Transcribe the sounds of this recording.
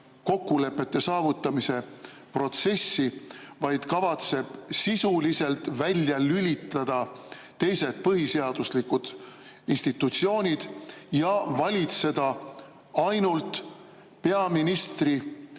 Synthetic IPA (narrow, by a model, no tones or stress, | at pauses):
ko̞kːule̞pːe̞t̪ːe̞sɑːvut̪ːˑɑmise̞ | pro̞t̪se̞sːivɑjd̪̥kɑvɑt̪se̞b̥sisulise̞lt̪vælʲjɑlylʲit̪ːˑɑd̪̥ɑ | t̪e̞jse̞t̪̚pɤɦise̞ɑd̪̥uslikud̪̥ | inst̪it̪ːˑut̪sio̞ːnʲid̪̥jɑvɑlʲit̪se̞d̪̥ɑ | ɑjnult̪ | pe̞ɑminist̪ri